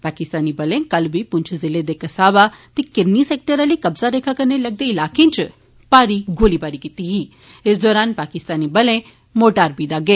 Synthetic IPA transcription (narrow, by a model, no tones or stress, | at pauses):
paːkɪst̪aːnibɐlẽkɐlbʱipʊ̃nt͡ʃʰzɪled̪ekɐsaːʋat̪ekɪɾniseːk̚ʈəɾəlikɐbzaɾeːkʰakɐɾnelɐɡ̚d̪eɪlaːkẽt͡ʃ | paːɾiɡoːlibaːɾikit̪iɦi | ɪsd̪ɔːɾaːnpaːkɪst̪aːnibɐlẽ | moːʈaːɾbid̪aːɡeː